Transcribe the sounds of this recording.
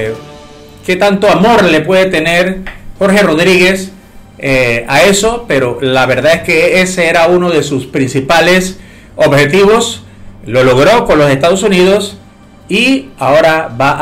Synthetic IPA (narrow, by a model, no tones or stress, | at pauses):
ket̪ant̪o̞amo̞ɾle̞pwe̞ðet̪e̞ne̞ɾxo̞ɾxe̞ro̞ðɾiɣe̞s | aeso̞pe̞ɾo̞laβe̞ɾðaðe̞skeeseeɾauno̞ðe̞suspɾinsipale̞s | o̞βxe̞t̪̬iβo̞s | lo̞lo̞ɣɾo̞ko̞nlo̞se̞st̪að̞o̞suniðo̞s | iao̞ɾaβaʔ